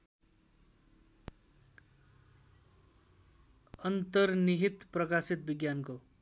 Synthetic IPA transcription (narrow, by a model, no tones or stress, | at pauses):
ʌnt̪ʌrniɦit̪prʌkasit̪̚biɡjanko